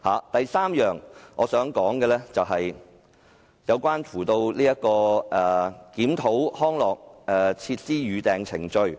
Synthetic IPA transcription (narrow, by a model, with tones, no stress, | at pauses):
haː˨t̪ɐ˨jsaː˥mjœː˨ŋʔɔː˨˧sœː˨˥ŋkɔː˨˥ŋkɛː˧lɛː˥t͡sɐ˨wɦɐ˨j | jɐ˨˧wkʷaː˥nfʰuː˨˩t̪o˧wliː˥jɐ˥t̚kɔː˧ʔɛ˨˩kiː˨˥mt̪ʰo˨˥whɔː˥ŋlɔː˨˩k̚ɛː˨t͡sʰiː˧t̚siː˥jyː˨˧t̪ɛː˨ŋt͡sʰɪ˨˩ŋt͡ʃɵ˧ɥ